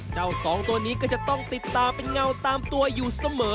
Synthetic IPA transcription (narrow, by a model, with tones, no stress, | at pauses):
t͡ɕa˥˩wsɔː˩˦ŋt̪u˧əniː˦˥kɔː˥˩t͡ɕa˨˩t̪ɔ˥˩ŋt̪i˨˩t̪ːaː˧mpa˧jŋa˧wt̪aː˧mt̪u˧ɐjuː˨˩sa˧mɤː˩˦